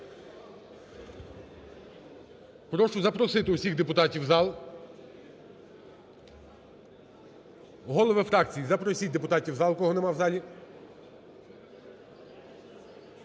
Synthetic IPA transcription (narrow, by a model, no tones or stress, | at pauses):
pɾɔʃʊzɐpɾɔsɪt̪ɪʊsʲiɣd̪epʊt̪ɑtʲiwzɑlˠ | ɦɔlˠɔʋɪfɾɑkt͡sʲijizɐpɾɔsʲit̚ʲd̪epʊt̪ɑtʲiwzɑlˠkɔɦɔnɛmɑwzɑlʲi